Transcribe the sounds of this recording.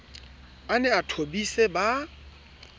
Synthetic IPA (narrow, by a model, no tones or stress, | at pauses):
anɛatʰobiseba